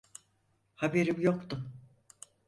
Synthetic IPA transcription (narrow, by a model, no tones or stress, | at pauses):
habeɾimjo̞kt̪ʊm